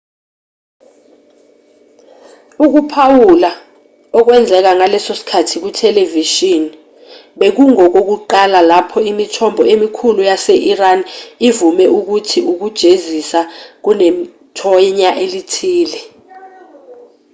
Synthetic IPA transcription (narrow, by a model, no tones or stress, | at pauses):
uk̬upʰawula | ɔk̬wɛnd͡zʱɛk̬aŋalɛsosi̥kʰatʰik̬utʰɛleviʃini | ɓek̬uŋɔk̬ok̬uǃalalapʰɔimitʰɔmbʱɔemikʰulujaseʔiranivumɛuk̬utʰiuk̬ud̥ʒ̥ʱezisak̬unɛm | tʰɔɲaʔelitʰiːlɛ